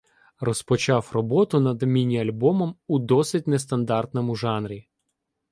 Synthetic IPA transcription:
rɔspɔt͡ʃɑwrɔbɔt̪ʊnɐd̪mʲinʲiɐlʲbɔmɔmud̪ɔsɪt̚ʲnɛst̪ɐnd̪ɑrt̪nɔmʊʒɑnɾʲi

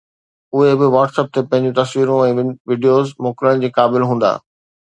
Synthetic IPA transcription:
ʊɦebɪʋaːʈsəp̚t̪ʰepɐ̃ɦɪ̃ɲd͡ʑũt̪ɐsʋiːɾõɛ̃ːʋɪɖijoːzmʊkɪɾəɽ̃d͡ʑeːkaːbɪlɦũːn̆d̪a̰ː

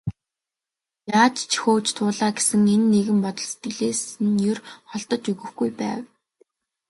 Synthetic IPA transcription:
jaːt͡ɕt͡ɕʰxoːt͡ɕt̪ʰʊːɮaːɡesɘ̆ŋenːeɣɘ̆mpɔt̪ɞ̆ɮse̥t̪ɡɵ̆ɮeːsɘ̆njɵrχɔɮt̪ɞ̆t͡ɕɵɣɵ̆xɡujpæ̰ːw

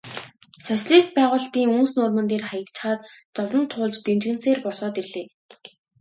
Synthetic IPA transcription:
sœsɮiːst̪̚pæːʁʊːɬt̪iːŋunsnʊrmɵ̆nt̪̬eːrχajə̆t̪t͡ɕχaːt̪t͡sɔwrə̆nt̪ʰʊːɮt͡ɕt̪ent͡ɕɣɘ̆nseːrpɔsɔːt̪irɮeː

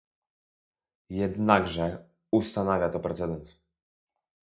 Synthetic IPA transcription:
jɛd̪naɡʐɛ | ust̪anavʲjat̪ɔpɾɛt̪sɛd̪ɛnt̪

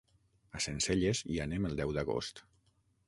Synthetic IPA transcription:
asenseʎezianeməlˠd̪ɛwd̪əɣo̰st̪

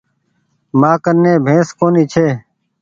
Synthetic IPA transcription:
maːkəɾnẽːbʱẽːskoːniːt͡ʃʰeː

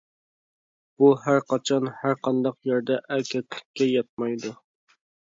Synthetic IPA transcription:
b̥uɦæɾqɑt͡ʃʰɑnhæɾqɑnd̪ɑqjæɾd̪ɛʔɛkʲʰɛt̪ʰlɪkʲʰːɛjɑt̪̚mɑjd̪u

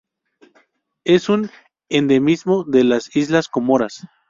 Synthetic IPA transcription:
e̞sun | end̪e̞mizmo̞ðe̞lasizlasko̞moɾas

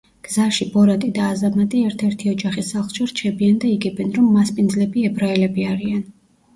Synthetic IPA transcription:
ɡ̥zaʃibɔɾat̪ʼid̪aːzamat̪ʼiɛɾt̪ʰɛɾt̪ʰiɔd͡ʒaχisaχlˠʃɛɾt͡ʃʰɛbiand̪aiɡɛbɛnɾɔmːaspʼind̪zlɛbiɛbɾaɛlɛbiaɾian

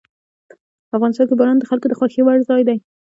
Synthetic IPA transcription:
afɣɑnɪst̪ɑnkebɑɾɑnd̪əxalkod̪əxɑxewaɽzɑjd̪aj

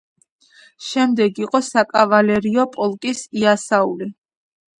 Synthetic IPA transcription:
ʃɛmd̪ɛɡiqʼɔsakʼavalɛɾiɔpʼɔlˠkʼisiasauli

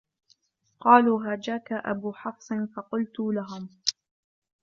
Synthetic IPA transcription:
qɑːluːɦaːd͡ʒaːkaʔa̰buːħɑfsˤɨnfɑqʊlt̪ʊlaɦʊm

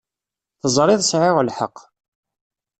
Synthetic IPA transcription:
θəzˤɾˤɪðˤsʕɪʁlħə̰qː

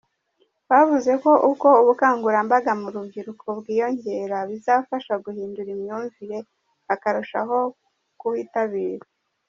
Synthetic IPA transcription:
βavuze̞ko̞ʔuko̞uβukaːŋɡuɾambaɡamuɾubɟiɾukʰo̞bɡiːjo̞ɲe̞ɾaβizaːfaʃaɡuhiːnduɾimɲuːɱviɾe̞ | βakaɾuʃa̰ɦo̞ | kuhiːtaβiːɾa

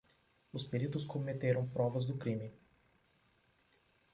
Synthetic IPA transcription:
ospiɾit̪oskomɛt̪ɛɾompɾɔvəzd̪okɾimi

